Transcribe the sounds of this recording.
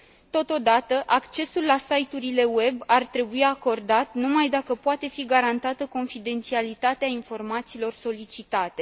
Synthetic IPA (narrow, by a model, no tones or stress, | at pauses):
t̪o̞t̪o̞d̪at̪əʔakt͡ʃe̞sulːasajt̪uɾile̞we̞bart̪ɾe̞buiako̞rd̪at̪numajd̪akəpoat̪e̞fiɡaɾant̪at̪əko̞nfid̪e̞nt̪sialit̪at̪eainfo̞rmat̪siːlo̞rso̞lit͡ʃit̪at̪e̞